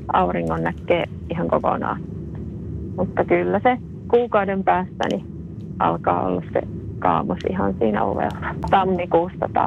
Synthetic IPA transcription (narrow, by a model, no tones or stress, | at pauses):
ɑuriŋːonnækːeː | ihɑŋkoko̰nɑ̰ːn | mut̪ːɑkylːæse | kuːkɑudempæːst̪æ̰ni | ʔɑ̰lkɑːo̰lːɑssḛkɑːmosihɑnsiːnæ̰o̰ʋḛlːɑ̥t̪ɑmːikuːst̪ɑt̪ɑ̰